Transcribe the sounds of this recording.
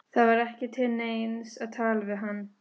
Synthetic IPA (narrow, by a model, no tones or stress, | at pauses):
θaðvaɾɛhcɪt̪ʰɪnejnsaðt̪ʰaːlvɪðɦanː